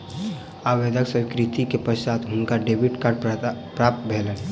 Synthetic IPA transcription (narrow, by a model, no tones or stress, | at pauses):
aːʋed̪ʱəksə̃kɾit̪ikepəʃaːt̪ɦʊnkaɖebiʈkaːɾɖppɾaːp̚t̪bʱeːlən